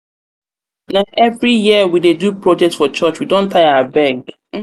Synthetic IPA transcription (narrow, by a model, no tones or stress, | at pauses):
naʔevɾijiəwidedupɹod͡ʒɛk̚tfɔt͡ʃɔt͡ʃwidõn̩tʰaɪaəbɛɡ